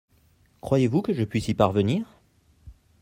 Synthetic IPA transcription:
kχwajevukəʒəpɥisipaʁvəniːʁ

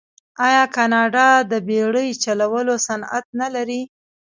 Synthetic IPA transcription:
ɑjɑkɑnɑɖɑd̪əbeɽəjt͡ʃalawəlosana̰t̪̚nalaɾi

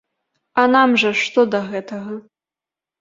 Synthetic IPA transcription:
ɐnamʐɐʂt̪ɔd̪ɐɣɛt̪ɐɣɐ

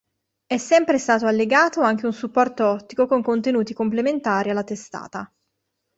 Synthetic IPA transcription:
ɛsːɛmpɾest̪aːt̪oalːeɡaːt̪oaŋk̟eunsupːɔrt̪oɔt̪ːikokoŋkont̪enuːt̪ikomplement̪aːɾialːat̪est̪a̰ːt̪a

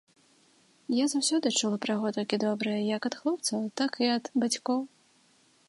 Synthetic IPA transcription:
jazawsʲɔd̪ɨt͡ʂulˠɐpɾaɣɔt̪ɔlʲkʲid̪ɔbɾɐjɐjɐkɐt̪xlˠɔp̚t̪sɐwt̪akiɐd̪bat͡sʲkɔw

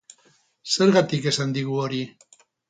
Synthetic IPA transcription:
se̞ɾɣat̪ike̞sand̪iɣuo̞ɾi

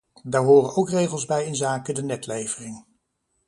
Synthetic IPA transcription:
daːɹɦʊːrənowkrejχəlˠzbɛjɪnzaːkədənɛtlejv̥ərɪŋ

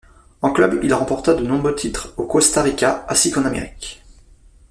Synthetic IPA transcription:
ɑ̃klœbilʁɑ̃pɔʁt̪ad̪ənɔ̃bʁøt̪ʰit̪χokost̪aʁikʲaãsikɑ̃namḛʁikʲ

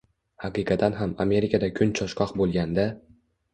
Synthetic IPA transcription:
haqɨqɑt̪ʰanɦama̰me̞ɾɪkʲʰad̪akʲʰʊnt͡ʃʰɒʃqɒqbolˠɡʲand̪a

